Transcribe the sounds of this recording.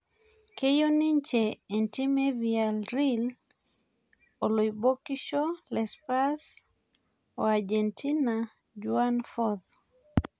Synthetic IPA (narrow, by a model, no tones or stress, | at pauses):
kejoniɲt͡ʃeɛntimevialɾil | oloibokiʃɔlɛspas | oad͡ʒɛntina | d͡ʒuanfɔð